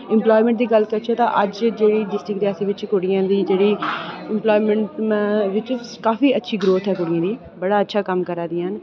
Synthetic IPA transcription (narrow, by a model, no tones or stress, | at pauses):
ɪmplɔːimə̃ɳʈ̚d̪iːɡəlkəɾt͡ʃʰɛːt̪ã̰ːʔəd͡ʒd͡ʒeːɽiːɖɪsʈɾɪkɾiaːsiːʋɪt͡ʃkʊɽɪjãːd̪iːd͡ʒeːɽiːɪmploːiːməɳʈʋɪt͡ʃ | kaːfiːətːʃʰiːɡɾoːt̪ɦɛːkʊɽɪjãːd̪iː | bəɽaːətːʃʰaːkəmkəɾãːd̪iːən